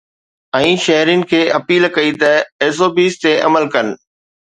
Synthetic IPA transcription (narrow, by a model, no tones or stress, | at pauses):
ɛ̃ːʃɐɦɾijnɪ̆kʰeːʔɐpiːlkɐit̪ɐeːs̬oːbiːst̪eʔɐ̰məlkɐn̆